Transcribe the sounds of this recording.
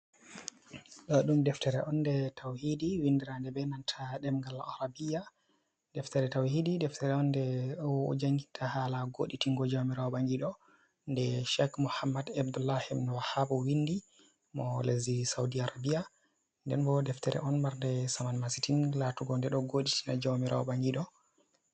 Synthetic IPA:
ɗɔɗumdɛftɛɾɛʔɔndɛtʰawhidiwindiɾandɛbɛnantʰaɗɛmɡalaaɾabija | d̥ɛftɛɾɛtawhididɛftʰɛɾɛɔndɛwɔ̰d͡ʒaŋɡitʰahalaɡo̰ɗitiŋɡɔd͡ʒawmiɾaɔbaŋɡiɗɔ | ndɛʃɛkmuhamːadabdulahimnɔwahabɔwindi | mɔlezisawdiaɾabija | ndɛnbɔdɛftɛɾɛ̰ʔɔnmaɾndɛsamanmasitinlatuɡɔndɛɗɔɡoɗitinad͡ʒawmiɾaɔɓaŋɡiɗɔ

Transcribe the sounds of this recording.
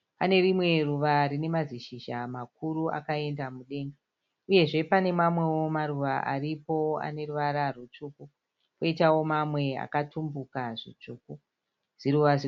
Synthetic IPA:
pane̞rimwe̞ruʋarine̞maziʃiʒamak̚urua̰kae̞ndamuɗe̞ːŋɡa | uje̞ʐe̞pane̞mamwe̞wo̞maruʋaʔa̰ripo̞a̰ne̞ruʋaɾarut͡ʂuku | koitawo̞mamwe̞a̰katumbukaʐḭt͡ʂuːku | ʐ̥iɾuʋazi

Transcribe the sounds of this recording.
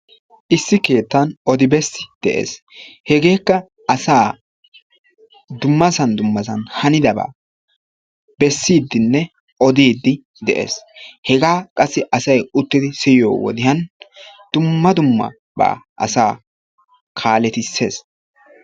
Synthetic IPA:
ʔɪsːɪke̞ːt̪ːɐnʔɔd̪ɪbɛsːɪ̥d̪̥ɛʔḛːs | hɛɡe̞ːkːɐ | ʔɐsaː | d̪ʊmːɐsɐnd̪ʊmːɐs̬ɐnhɐnɪd̪ɐba̰ː | bɛsːiːd̪ːɪnːɛ | ɔd̪iːd̪ːɪ | d̪ɛʔḛːshɛɡaːkʼɐsːɪʔɐsɐjʊt̪ːɪd̪ɪsɪjo̰ːwɔ̰d̪ɪhɐnd̪̥ʊmːɐd̪ʊmːɐ̰ | ba̰ːʔɐ̰saː | kʰaːlɛt̪ɪsːe̞̰ːs

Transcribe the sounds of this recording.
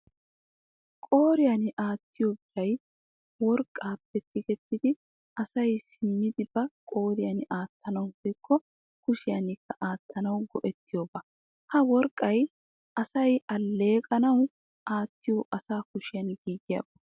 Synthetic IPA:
kʼoːɾɪjɐnɪʔaːt̪ːɪjobɪɾɐj | wɔɾkʼːaːpːɛt̪ːɪɡɛt̪ːɪd̪ɪ | ʔɐsɐjsɪmːɪd̪ɪbɐkʼo̞ːɾɪjɐnɪʔaːt̪ːɐnɐwhɔjkʰːɔ | kʊʃɪjɐnɪkːɐʔaːt̪ːɐnɐwɡɔʔɛt̪ːɪjoːbɐ | hɐwɔɾkʼːɐj | ɐsɐjɐlːe̞ːkʼɐnɐw | ʔaːt̪ːɪjoːʔɐsaːkʊʃɪjɐnɡiːɡɪjɐ̰ːbɐ

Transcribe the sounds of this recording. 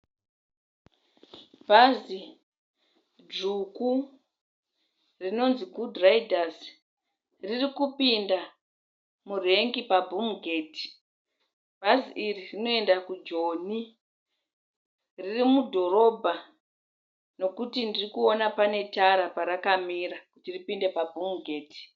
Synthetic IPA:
bʱazi | d͡ʒuku | rino̞nziɡʱudraidʱas | ririkupinda | mureŋɡipabʱumɡʱeːti̥ | b̥ʱaziʔiririno̞e̞ndakud͡ʒo̞ni | ririmudʱo̞ɾo̞bʱa | no̞kutindirikuo̞napane̞taɾapaɾakamiɾakutiripinde̞pabʱuŋɡʱeːti̥

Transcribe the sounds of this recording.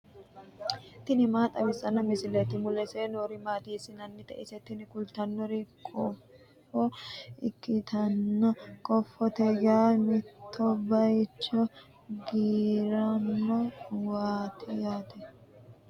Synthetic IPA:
t̪ɪnɪmaːt̪ʼɐbɪsɐnːɐmɪsɪlɛt̪ɪmʊlɛseːnoːɾɪmaːt̪iːsɪnɐnːɪt̪ɛ̰ʔɪsɛt̪ɪnɪkʊlt̪ɐnːɔɾɪkʼʰɔff | ɔɪkːɪt̪ʰɐnːɐkʼɔfːɔt̪ɛɡaːmɪt̪ːɔbɐjt͡ʃːɔ | ɡiːɾɐnːɔwaːt̪ʰɪjaːt̪ʰɛ

